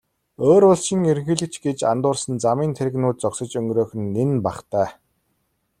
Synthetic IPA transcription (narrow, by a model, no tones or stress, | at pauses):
oːɾʊɮʃĭŋeɾɘ̆ŋxɘ̆ɮɘ̆kt͡ɕɡet͡ɕa̰nt̪ʊːrsə̆nt͡samiːnt̪ʰeɾɘ̆ɣnuːt̪̚t͡sɔksə̆t͡ɕɵŋɡɾoːxɘ̆nːenpaχt̪æː